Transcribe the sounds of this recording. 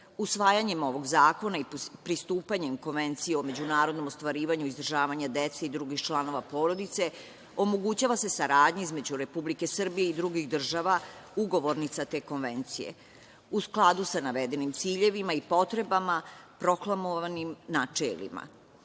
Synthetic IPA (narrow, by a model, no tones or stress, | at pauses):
usʋaːjaɲe̞mo̞ʋo̞ɡzaːko̞naipɾist̪uːpaɲe̞mko̞nʋe̞nt̪sijeo̞me̞d͡ʑunaːɾo̞d̪no̞most̪ʋaɾiːʋaɲuizd̪r̩ʒaːʋaɲad̪et̪seid̪ɾuɡixt͡ʃlˠano̞ʋapo̞ːɾod̪it̪se̞ | o̞mo̞ɡut͡ɕaʋase̞saɾaːd̪ɲeizme̞d͡ʑuɾe̞publike̞sr̩bijeid̪ɾuɡixd̪r̩ʒaʋauɡo̞ʋo̞ɾnit̪sat̪e̞ːko̞nʋent̪sijḛ | usklˠad̪usanaʋed̪e̞nimt̪siːʎe̞ʋimaipo̞t̪ɾe̞bamapɾo̞klˠamoʋanimnat͡ʃḛlḭma̰